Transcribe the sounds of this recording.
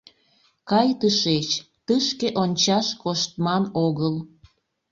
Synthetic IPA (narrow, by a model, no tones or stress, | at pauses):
kɑjt̪əʃet͡ɕ | t̪əʃkeʔonʲt͡ɕɑʃkoʃt̪mɑnoɣəl